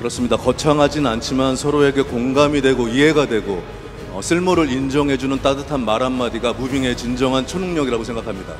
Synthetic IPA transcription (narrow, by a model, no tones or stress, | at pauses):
kɯɾʌs͈ɯmɲidakʌt͡ɕʰaŋɦad͡ʑinant͡ɕʰimansʰʌɾoe̞ɡe̞koŋɡamidwe̞ɡoiɦe̞ɡadwe̞ɡo | ʌsʰɯɭmoɾɯɾind͡ʑʌŋɦe̞d͡ʑunɯnt͈adɯtʰanmaɾanmadiɡamubiŋe̞t͡ɕind͡ʑʌŋɦant͡ɕʰonuŋɲʌɡiɾaɡosʰe̞ŋɡakʰamɲida